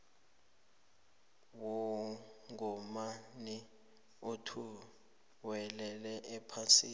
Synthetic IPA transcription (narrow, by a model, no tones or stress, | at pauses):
wɔ | ŋɔmani | otʰu | wɛlɛlɛʔɛpʰasiːn